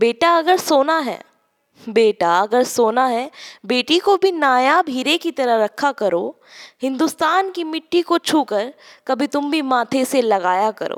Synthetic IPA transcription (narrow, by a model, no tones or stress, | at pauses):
beːʈaɐɡəɾsoːnaɦɛ̰ː | beːʈaɐɡəɾsoːnaɦɛːbeːʈikobʱinaːjabʱiːɾekit̪ɐɾəɦɾɐkʰːakɐɾo̰ː | hɪ̃nd̪ʊst̪aːnkimɪʈːikot͡ʃʰuːkəɾkɐbʱit̪ʊmbʱimaːt̪ʰeselɐɡaːjakɐ̰ɾʔo̰ː